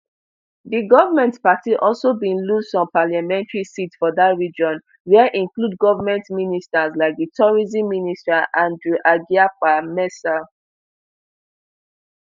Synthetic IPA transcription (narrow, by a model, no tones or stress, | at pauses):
diɡɔvamɛ̃ntpatiʔɔlsobĩnlustɔ̃npalamɛ̃ntɹisitfɔdatɹid͡ʒɔ̃n | wɛʔĩŋklud̚ɡɔvamɛ̃ntministaslaɪk̚ditʰɔɹizĩmːinistaʔãndɹuʔaɡiak͡pamɛsa